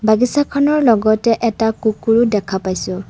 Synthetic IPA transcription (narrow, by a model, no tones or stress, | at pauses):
baɡisakʰɔnɔɹlɔɡɔtɛʔɛtakukuɹudɛkʰapajsʊ